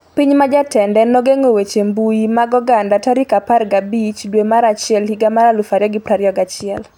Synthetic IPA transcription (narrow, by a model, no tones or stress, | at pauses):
piɲmad͡ʒatɛndɛnɔɡeŋowet͡ʃembujimaɡɔɡandataɾikaparɡabit͡ʃdwemaɾat͡ʃɪɛlhiɡamaɾalufaɾjɔɡipɾaɾjɔɡat͡ʃɪɛl